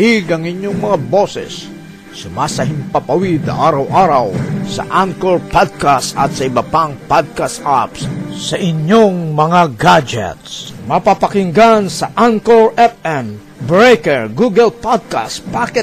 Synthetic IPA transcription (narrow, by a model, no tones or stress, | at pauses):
iɡɐŋɪɲjoŋmɐŋabosɛ̰sː | ʊmasɐɦɪmpapawid̪̚nɐ̰ʔaːɾɐwʔaɾɐwsɐ̰ʔankoɹpad̪̚kast̪ɐ̰t̪sɐɪbɐpaŋpad̪̚kast̪ʔapssɐʔɪɲjoŋmɐŋaɡad͡ʒɛ̰t̪smɐpapakɪŋɡansɐʔankoɹʔɛpɛm | bɹekɛɹɡuɡɛlpad̪̚ka̰st̪̚pakɛt̪